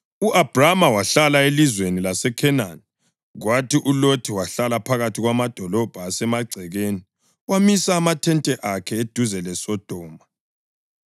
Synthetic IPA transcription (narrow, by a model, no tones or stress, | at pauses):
uʔab̥ramawaɬalaelizwenilasɛkʰɛnan | ɣwatʰiʔulotʰiwaɬalapʰaɣatʰiɣwamad̥ʱɔlɔb̥ʱaːsɛmaɡ͡ǀʱɛɣeni | wamisaːmatʰɛntʼɛʔakʰɛed̥ʱuzɛlɛsɔd̥ʱɔːma